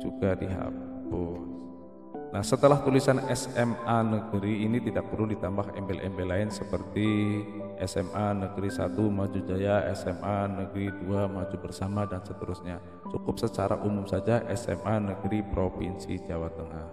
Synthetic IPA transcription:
d͡ʒuɡadiɦa̰ʊs | nahsət̪əlaht̪ulisanɛsɛmanəɡəɾiːnit̪idak̚pədʊldit̪ambaɦɛ̰mbɛlʔɛ̰mbelaɪnsəpərt̪i | ʔɛsɛmʔanəɡɾisa̰t̪umad͡ʒud͡ʒajaɛsɛmanəɡəɾiduamad͡ʒubərsamadansət̪əɾʊsɲa | t͡ʃukʊp̚sət͡ʃaɾa̰ʔumʊmsad͡ʒaʔɛsɛ̰mʔanəɡəɾipɾopinsid͡ʒawat̪əŋah

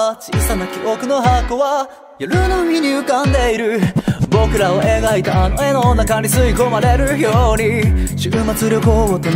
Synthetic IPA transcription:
t͡ɕisanakʲiokɯ̟no̞ɦakːo̞βa | joɾɯ̟nomʲiɲ̟ɨɯ̟kãnd̪e̞iɾɯ̟bo̞kɯ̟ɾaoʔe̞ɡait̪aːno̞e̞nonːakãnʲɾʲisɨiko̞maɾe̞ɾɯ̟çjo̞ɲ̟iɕɨmat͡sɨɾʲjoko̞ot̪ːo

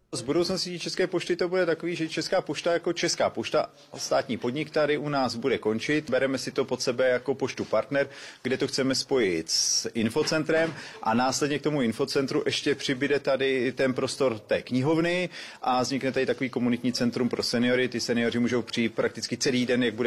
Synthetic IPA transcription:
zbudowt͡snoscit͡ʃɛskɛːpoʃt̪ɪt̪o̞budɛt̪akoviːʒɛt͡ʃɛskaːpoʃt̪ajako̞t͡ʃɛskaːpoʃt̪a | st̪aːt̪ɲiːpo̞dɲɪkt̪adɪʔunaːzbudɛko̞nt͡ʃɪt̪bɛɾɛmɛsɪt̪o̞po̞t̪sɛbɛjako̞poʃt̪upaɾt̪nɛɾɡdɛt̪oxt͡sɛmɛspo̞jɪt̪sɪnfo̞t͡sɛnt̪ɾɛmʔa̰naːslɛdɲɛk̚t̪o̞muɪnfo̞t͡sɛnt̪ɾuʔɛʃcɛpr̝̥ɪbɪdɛt̪adɪt̪ɛnpɾo̞st̪o̞ɾt̪ɛːkɲɪɦo̞vnɪʔazɲɪknɛt̪adɪt̪ako̞viːko̞munɪt̪ɲiːt͡sɛnt̪ɾumpɾo̞sɛnɪoɾɪt̪ɪsɛnɪorɪmuːʒo̞wpr̝̥ɪiːt̪̚pɾak̚t̪ɪt͡skɪt͡sɛliːdɛnjaɡ̚budɛ

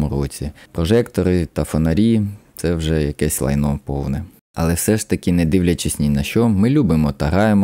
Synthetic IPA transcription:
mʊɾɔt͡sʲipɾɔʒɛkt̪ɔɾɪt̪ɐfɔnɐɾʲit̪sɛwʒɛjɐkɛsʲlˠɐ̰jnɔwpɔwnɛ | ɐlˠɛwsɛʃt̪ɐkʲɪnɛd̪ɪwlʲɐt͡ʃɪsʲnʲinɐʃt͡ʃɔmɪlʲubɪmɔt̪ɐɦɑjemɔ

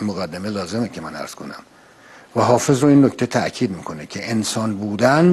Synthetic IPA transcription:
moɣæd̪ːeme̞lɒːze̞mecʰemænæ̰ɾz̥kʰo̞næ̰m | væɦɒːfe̞zɾoinːoct̪ʰet̪ʰæʔcʰiːd̪miːkʰo̞necʰe̞ʔensɒːnbuːd̪æn

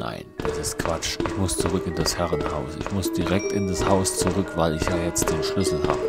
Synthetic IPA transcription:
na̰ɪnd̥asɪstkv̥at͡ʃʔɪçmʊst͡suʁʏkɪndashɛʁənhaʊsɪ̰çmʊsd̥iʁɛk̚tɪndashaʊst͡suʁʏkv̥aɪlɪçjaːjɛt͡std̥eːnʃlʏsl̩ha̰ːbə

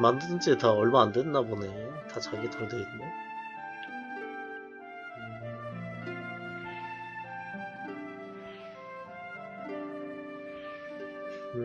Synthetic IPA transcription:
mandɯdɯnt͡ɕ͈ʰetaʌɭmanandwendabone̞tat͡ɕaɡetʰʌdeitne

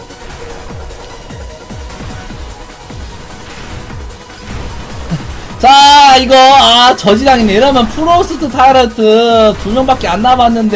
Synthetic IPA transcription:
t͡ɕaiɡʌat͡ɕʌd͡ʑidaŋineiɾʌmjʌnpʰɯɾos͈ʰɯtʰɯtʰaiɾʌtʰɯtuɲʌnbak͈eanːabanːɯnde

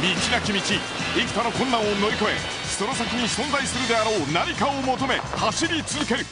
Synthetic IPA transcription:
mʲit͡ɕiɾakʲimʲit͡ɕi | ikʲi̥t̪ano̞kõ̞nːãɰ̃ono̞ɾʲiko̞e̞̰ | ɕso̞ɾo̞sakʲɯɲ̟isõ̞nd͡zaisɨɾɯ̟d̪e̞aɾo̞ːnaɾʲikaomo̞t̪o̞me̞ | haɕiɾʲit͡sɨzɨke̞ɾɯ̟

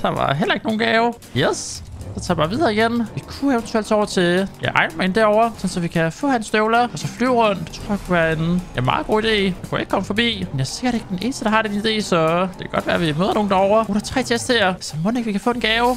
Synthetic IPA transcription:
d̥ɑ̈ʋɑ̰ɦel̰ɐe̝ɡ̥̚no̝ːn̩ɡ̥ɛːʊ | jessɒt͡sʰɑ̰̈ːb̥ɑ̈ʋiðˠɐːiɡ̥enʋikʰueʋnt͡sʰuel̰d̥sɒʊɐt͡sʰe̝jɑɪʔɑ̈ɪnɐmɑ̈ɪe̝nd̥æɐɒʊɐsɒ̽n̩sɒ̽ʋikʰæfɔ̰ːhænsd̥øʊlɐɒ̽sɒ̽flyʊ̰ʁɔ̽n̰d̥t͡sʰʁo̰ɐjɑkʰuʋæːɐe̝nenmɑ̈ːð̩ˠɡ̥o̝̰ːid̥e̝̰ːjɑkʰuje̝ɡ̥̚kʰɒ̽mfɒ̽b̥ḭːmenjase̝ɡ̥ɐɾe̝ɡ̥d̥enʔe̝ːnəsd̥əd̥ɑ̈hɑ̈d̥enid̥e̝̰ːsɒ̽d̥e̝kʰæɡ̥ɒ̽d̥ʋæːɐæʋimøːðˠɐno̝ːn̩d̥ɑɒʊɐoːɾ̥ɐt͡sʰʁɛ̰ːt͡sʰesd̥heɐ̰sɒmɔ̽neɡ̥ʋikʰæfɔ̰e̝nɡ̥ɛːʊ

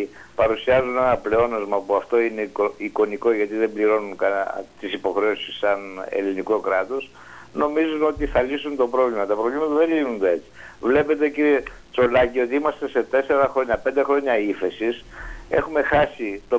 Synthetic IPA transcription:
pɐɾusiɐzune̞nɐple̞o̞nozmɐpuɐft̪o̞inekoiko̞niko̞ʝɐt̪iðe̞mbliɾo̞nunkɐt̪isipo̞xɾe̞osi̥sːɐnḛlinikokɾɐt̪o̞s | no̞mizuno̞t̪iθɐlisunt̪o̞pɾo̞vlimɐt̪ɐpɾo̞vlimɐt̪ɐðenʎinund̪oe̞t͡si̥vle̞pe̞t̪e̞ciɾie | t͡so̞lɐcio̞t̪iimɐst̪e̞se̞t̪e̞se̞ɾɐxɾo̞ɲɐpe̞nd̪e̞xɾo̞ɲɐiθe̞sise̞̰xume̞xɐsit̪o̞

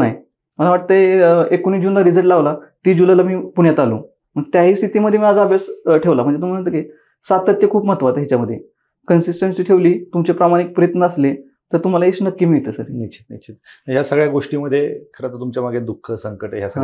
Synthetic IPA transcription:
naj | məlaʋaʈ̚t̪əekoñiːd͡ʑunlaɾid͡zəɭʈlaʋlat̪iːd͡ʑulajlamiːpuɳjat̪alṵ̃ː | m̤əɳet̪jaɦiːst̪ʰit̪iːməd̪ʱːjemiad͡zaːbjasʈʰeʋlam̤əɳd͡zet̪um̤aəŋt̪əke | sat̪ət̪jekʰuːpm̤ət̪ʋat̪ɦit͡ɕaməd̪ʱje | kənsisʈənsiːʈʰeʋliːt̪umt͡ɕepɾamaɽ̃ik̚pɾəjət̪nəəsle | t̪əɾt̪um̤alaɦit͡snəkːiːmiɭt̪esəɾnikɕʰi̥t̪niɕʰit̪ɦjasəɡɭjaɡoʂʈiːməd̪ʱːjekʰəɾat̪əɾt̪umt͡ɕjamaɡʱed̪ukʰːəsəŋkəʈɦjasə

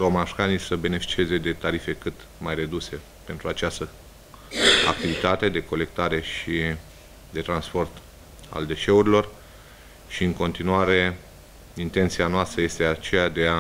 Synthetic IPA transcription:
ɾo̞maʃkanisəbe̞ne̞fi̥t͡ʃie̞ze̞d̪e̞t̪aɾife̞kɨt̪ | majre̞d̪use̞ | pe̞nt̪ɾuat͡ʃast̪ə | a̰k̚t̪ivit̪at̪e̞d̪e̞ko̞le̞k̚t̪aɾe̞ʃi | d̪e̞t̪ɾanspo̞rt̪ | a̰ld̪e̞ʃe̞uɾilo̞r | ʃiɨŋko̞nt̪inuaɾe̞ | int̪e̞nt̪sianoast̪ɾəje̞st̪e̞at͡ʃejad̪e̞a

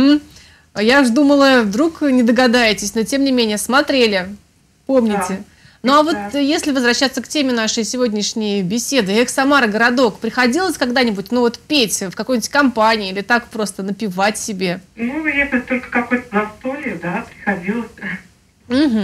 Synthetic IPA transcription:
m̩ | jaʐd̪uməlˠəvd̪ɾuknʲɪd̪əɡɐd̪ajɪtʲɪsʲnotʲe̞mnʲɪmʲenʲɪjəsmɐt̪ɾʲelʲɪ | po̞mnʲɪtʲɪ | nuɐvo̞t̪jesʲlʲɪvəzvɾɐɕːat̪səktʲemʲɪnaʂɨjsʲɪvo̞dʲnʲɪʂnʲɪjəbʲɪsʲe̞d̪ɨɛxsɐmaɾəɡəɾɐd̪o̞kpɾʲɪxɐdʲilˠəsʲkɐɡd̪anʲɪbut̚ʲnuvo̞t̪pʲetʲfkɐko̞jmnʲɪ̥tʲkɐmpanʲɪːilʲɪt̪akpɾo̞st̪ənəpʲɪvatʲsʲɪbʲe̞nujʲet̪ət̪o̞lʲkə̥kɐkojt̪əzɐst̪olʲɪʊd̪apɾʲɪxɐdʲilˠəsʲ | m̩ɦm̩

